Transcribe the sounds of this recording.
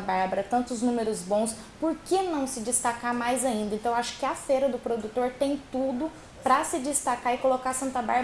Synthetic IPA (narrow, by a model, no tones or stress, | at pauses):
baɾbɐɾɐt̪ɐ̃nt̪ʊznũmeɾʊzbõw̃s | poɾkenɐ̃w̃sɪd͡ʒɪst̪akamajzaĩnd̪ɐẽnt̪ɐ̃w̃aʃʊ̥kɪɐfeɾɐd̪ʊpɾod̪ut̪oɾt̪ẽj̃t̪ud̪ʊ | pɾɐsɪd͡ʒist̪akaɪkolokasɐ̃nt̪ɐba̰ɾb